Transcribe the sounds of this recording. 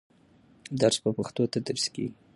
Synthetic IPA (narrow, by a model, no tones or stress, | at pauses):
d̪aɾspəpaxt̪ot̪ad̪əɾskḛɡi